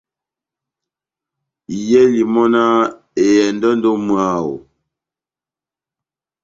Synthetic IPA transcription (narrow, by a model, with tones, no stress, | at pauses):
jɛ˦li˨mɔ˦na˦ | e˨jɛ˨n˦dɔ˦n˦do˦mwa˨o̰˨